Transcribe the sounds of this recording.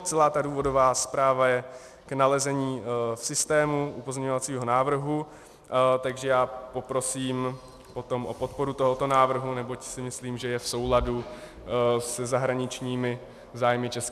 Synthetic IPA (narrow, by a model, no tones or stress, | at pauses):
t͡sɛlaːt̪aduːvo̞do̞vaːspɾaːvajɛ | knalɛzɛɲiːfsɪst̪ɛːmuʔupozɲɛɲo̞vat͡siːɦo̞naːvr̩ɦu | t̪aɡʒɛjaːpo̞pɾo̞siːm | po̞t̪o̞mʔopo̞t̪̚po̞ɾut̪o̞ɦo̞t̪o̞naːvr̩ɦunɛbocsɪmɪsliːmʒɛjɛfso̞wladu | sɛzaɦɾaɲɪt͡ʃɲiːmɪ | zaːjmɪt͡ʃɛsk